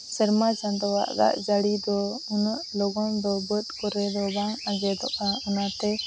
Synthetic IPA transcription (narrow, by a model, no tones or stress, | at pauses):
səɾmat͡ʃand̪ɔwa̰ʔd̪a̰ʔd͡ʒaɽid̪ɔunaʔloɡɔnd̪ɔbət̪̚kɔɾɛd̪ɔbaŋad͡ʒɛd̪ɔʔaunat̪ɛ